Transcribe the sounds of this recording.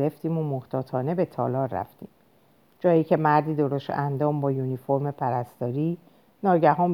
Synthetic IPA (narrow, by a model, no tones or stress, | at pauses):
ɾeft̪iːmomoht̪ʰɒːt̪ʰɒːne̞be̞t̪ʰɒ̰ːlɒːɾːæ̰ft̪ḭːm | d͡ʒɒːjiːcʰe̞mæɾd̪iːd̪o̞ɾost̪ænd̪ɒːmbɒːjunifo̞ɾmepʰæɾæst̪ɒːɾiː | nɒːɟæɦɒːm